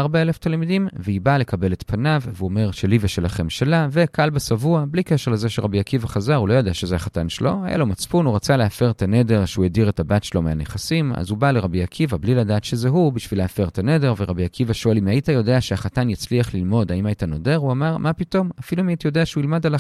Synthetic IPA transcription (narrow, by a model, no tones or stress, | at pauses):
aʁbae̞le̞ftalmidimveibale̞kabe̞let̪pʰanavveuome̞ʁʃeliveʃelaχe̞mʃelave̞kalbesavuablikeʃeʁlezeʃeʁabiakivaχazaʁulo̞jo̞d̪eaʃezehaχatanʃḛlo̞haja̰lo̞mat͡spunuʁat͡saleafeʁet̪ane̞de̞ʁʃeujediʁetabatʃelo̞meaneχasima̰zubaleʁabiakʰivabliladaːt̪ʃe̞ze̞ɦubiʃvileafe̞ʁet̪ane̞de̞ʁveʁabiakivaʃoelimajitajo̞de̞aʃeaχatanjat͡sliaχlilmo̞daimajitano̞de̞ʁuamaʁmapito̞mafiluimajit̪ajo̞deaʃeuilmadala